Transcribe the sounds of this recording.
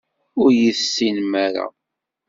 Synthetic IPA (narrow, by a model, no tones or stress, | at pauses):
ʊɾjiθsːinmaɾa̰